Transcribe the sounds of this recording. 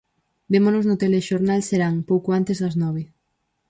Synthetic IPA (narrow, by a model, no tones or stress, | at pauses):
bemonoznʊt̪eleʃoɾnalseɾaŋpowkoant̪ezðɐznɔβ̞e